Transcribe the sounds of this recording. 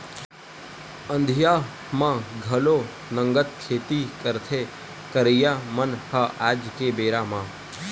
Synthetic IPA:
ə̃nd̪ʱja | mãɡʱəlo | nəŋɡət̪̚kʰet̪ikəɾt̪ʰe | kəɾejamənhəʔad͡ʒkebeːɾamã

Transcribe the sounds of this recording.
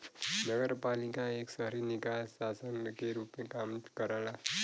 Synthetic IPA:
nʌɡəɾpalikaeksʌɦɾinikasːasənkeɾupmẽkamkʌɾala

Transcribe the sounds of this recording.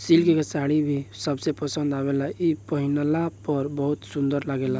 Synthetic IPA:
silkekəsaɽibʱisəbsepəsə̃nd̪aβelaipəɦinəlapəɾbəɦut̪sũnd̪əɾlaɡela

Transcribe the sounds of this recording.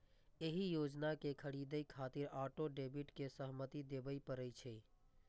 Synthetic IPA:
eɦijod͡ʒnakekʰəɽid̪əjkʰat̪iɾaʈoɖebiʈkesəɦmət̪id̪ebəipəɾət͡ʃʰɛ

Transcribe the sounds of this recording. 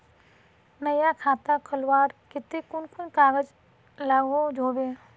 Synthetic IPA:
nəjakʰaːt̪akʰəlwaːɾkɪt̪ekʊnkʊnkaːɡəd͡ʒ | laːɡod͡ʒʱoːbeː

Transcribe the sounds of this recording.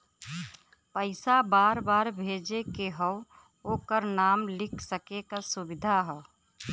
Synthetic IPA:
pəɪsabaːɾbaːɾbʱeːd͡ʒekeɦɔʊ | okəɾnaːmlɪkʰsəkekasʊbɪd̪ʱaɦɛː

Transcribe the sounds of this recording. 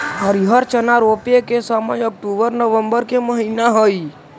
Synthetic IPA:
ɔɾiɦəɾt͡ʃənaɾoːpekesaməjɔk̚ʈuːbəɾnəʋə̃mbəɾkeməɦiːnaɦoi

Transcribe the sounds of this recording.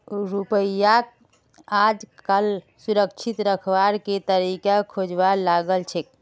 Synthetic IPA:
ɾupəjak | ad͡ʒkal | suɾəkt͡ʃʰit̪ɾəkʰbaɾket̪əɾikakʰod͡ʒʋalaɡəlt͡ʃʰɛk̚

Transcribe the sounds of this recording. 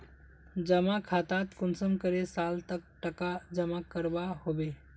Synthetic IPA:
d͡ʒəmakʰat̪at̪kʊnsəmkəɾesalt̪ək̚ʈəkad͡ʒəmakəɾbaɦobe

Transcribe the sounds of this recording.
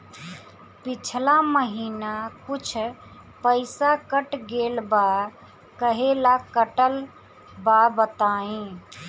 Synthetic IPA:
pit͡ʃʰlaməɦinakut͡ʃʰ | pəɪsakəʈɡelba | kəɦelakəʈəl | babət̪aːĩ

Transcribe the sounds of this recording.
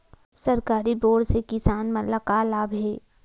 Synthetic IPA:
sɐɾkaːɾiboːɖsekɪsaːnmɐlakalaːbɦɛː

